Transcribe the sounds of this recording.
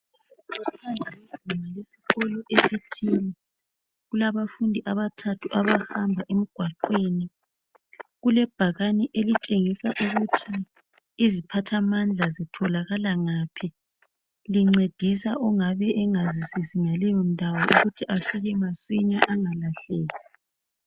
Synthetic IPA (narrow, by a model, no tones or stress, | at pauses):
ɔtʰandʱawid̥ʱumalesi̥ɣɔlɔʔesitʰiːni | ɣulaβafundʱiʔaβatʰatʰuʔaβahambʱaʔem̩ɡ̥ʱwaǃweːni | ɣulɛb̥ʱaɣanɛʔelit͡ʃʼeŋisaʔuɣutʰiː | zipʰatʰamand͡ɮʱazitʰɔlaɣalaŋaːpʰi | liŋ͡ǀed̥ʱisaʔɔŋaβɛʔɛŋazisisiŋalɛjɔn̩dʱawɔʔuɣutʰiʔafiɣɛmaswiɲaʔaŋalaɬɛːla